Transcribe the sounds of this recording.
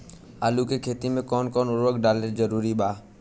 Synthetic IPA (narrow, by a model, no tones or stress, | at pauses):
aːlukekʰeːt̪imẽkɔːnkɔːnʊɾʋəkɖaːled͡ʒəɾuːɾibaː